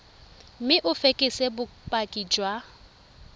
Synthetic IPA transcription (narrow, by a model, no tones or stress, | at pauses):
m̩mɪʔʊfekʼɪsebʊpʼakʼid͡ʒwa